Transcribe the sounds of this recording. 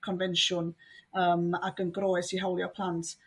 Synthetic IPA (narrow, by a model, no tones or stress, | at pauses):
kʰɔnvɛnʃʊnəːmaɡənɡroːɨsiɦawlˠjɔpʰlˠantʰ